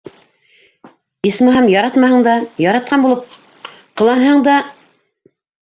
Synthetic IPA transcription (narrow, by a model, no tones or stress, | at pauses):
ismɑɦɑmjɑɾɑt̪mɑhɤ̆ɴd̪ɑjɑɾɑt̪̚qɑnbulˠɤp̚ | qɤ̆lˠɑnɦɤɴd̪ɑ